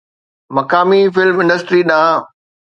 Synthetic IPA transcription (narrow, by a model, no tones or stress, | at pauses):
mɐkaːmifɪlmɪ̃nɖəsʈɾiɗãː